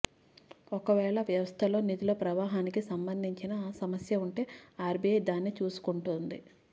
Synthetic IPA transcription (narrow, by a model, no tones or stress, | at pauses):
ɔkɐʋɛːɭɐʋjɐʋɐst̪ʰɐlo̞ːnit̪iloːpɾɐʋaːɦaːnikisɐmbɐnd̪ʱiɲt͡ʃinɐsɐmɐsjɐuɳʈe̞ːaːɾbiejd̪aːnːit͡ʃuːsu̥kuɳʈund̪i